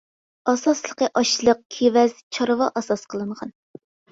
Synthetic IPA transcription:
ɑsɑslˠəqəʔɑʃlˠəq̚kʲʰevɛz̥t͡ʃʰɑɾvɑʔɑsɑsqʰəlˠɨɴʁɑn

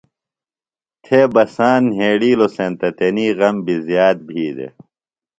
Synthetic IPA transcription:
t̪ʰeːbɐsaːnɦeːɽiːlosẽːnt̪ɐt̪eniːɣɐmbizjaːt̪̚bʱiːd̪ḛ

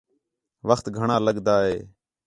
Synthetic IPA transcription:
ʋəxt̪ɡʱəɳãːləɠd̪aːɦeː

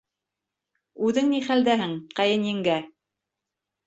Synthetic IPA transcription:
ʉðɘŋniχæld̪æɦɘɴqɑjɤnjɘ̆ŋɡæ

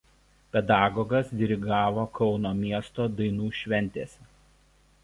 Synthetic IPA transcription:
pʲɛd̪ɑːɡɔɡɐsd̪ʲɪɾʲɪɡɑːʋoːkʰɒʊnoːmʲiɛst̪oːd̪ɐɪnuːʃʲʋʲɛnʲt̪ʲeːsʲɛ

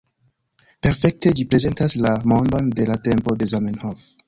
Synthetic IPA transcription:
pe̞ɾfe̞k̚te̞d͡ʒipɾe̞ze̞ntaslamo̞ndo̞nde̞late̞mpo̞de̞zamenhof

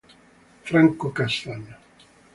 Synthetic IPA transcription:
fɾaŋkokast̪aɲːo

